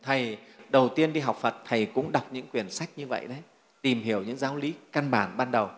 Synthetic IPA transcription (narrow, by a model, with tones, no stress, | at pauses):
t̪ʰə˨˩jɗə˨˩wt̪i˧ənɗi˧ɦa˨˩wk͡p̚fə˨˩t̚t̪ʰə˨˩jkʊ̰˧˥ŋ͡mɗa˨˩wk͡p̚ɲɨ̰˧˥ŋkwi˨˩ənsa˦˥jk̟̚ɲɨ˧və̰˧˨jɗə˨˦j | t̪i˨˩mɦi˧˩əwɲɨ̰˧˥ŋzaː˨˦wli˨˦ka˧nɓaː˧˩nɓaː˧nɗə˨˩w